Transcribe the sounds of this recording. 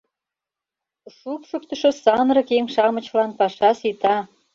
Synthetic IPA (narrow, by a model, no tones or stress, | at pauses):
ʃupʃokt̪ə̆ʃŏsɑnɾɤ̆keŋʃɑmə̆t͡ɕlɑnpɑʃɑsit̪ɑ